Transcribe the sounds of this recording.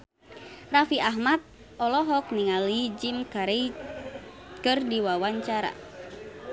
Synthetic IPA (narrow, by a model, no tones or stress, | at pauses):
rafiʔaɦmat̪̚ | ɔlɔɦɔk̚niŋalid͡ʒimkaɾe | kɨrdiwawaɲt͡ʃaɾa̰